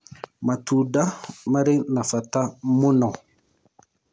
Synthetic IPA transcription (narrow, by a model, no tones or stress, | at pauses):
matudamaɾenafatamuna